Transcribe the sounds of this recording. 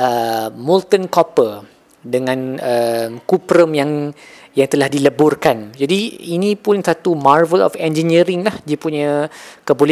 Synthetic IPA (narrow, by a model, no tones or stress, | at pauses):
ʔəmult̪ənkɔpə | dəŋãnəmkupɾəmjaŋ | jaŋt̪əlahdiləbʊrkand͡ʒadiinĩpʊnsat̪umarvəlɔ̰fɛnd͡ʒəniəɾɪŋlahdiəpuɲãkəbolɛ